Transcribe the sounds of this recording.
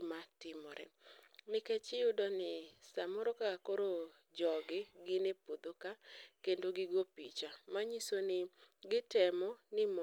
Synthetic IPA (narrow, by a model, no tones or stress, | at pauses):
matɪmɔɾɛ̰mɪkɛt͡ʃɪʊdɔnɪsamɔɾɔkaakoɾo | d͡ʒɔɡɪɡɪnepod̪okakendoɡɪɡopit͡ʃamaɲisonɪɡɪtɛmɔnɪm